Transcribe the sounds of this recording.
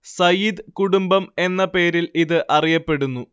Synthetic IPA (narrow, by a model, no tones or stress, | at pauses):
sɐjid̪kuɽumbɐme̞nːɐpe̞ːɾiliðɨʔɐrijɐpːe̞ɽunːu